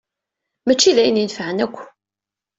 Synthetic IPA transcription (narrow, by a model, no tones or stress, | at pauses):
mæt͡ʃːilæjənjənfʕənækʷː